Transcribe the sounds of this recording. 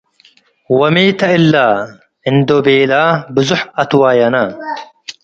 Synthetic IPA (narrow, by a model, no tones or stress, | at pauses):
wɐmiːt̪ɐɪlːaː | ɪnd̪obeːlaːbʊzʊħɐt̪waːjɐnɐ